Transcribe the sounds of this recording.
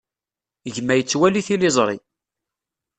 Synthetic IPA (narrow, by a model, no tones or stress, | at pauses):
ʝmːæjət͡sːwæliθilɪzˤɾˤi